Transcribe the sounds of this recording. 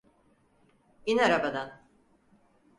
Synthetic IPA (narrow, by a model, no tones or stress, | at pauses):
inaɾabad̪an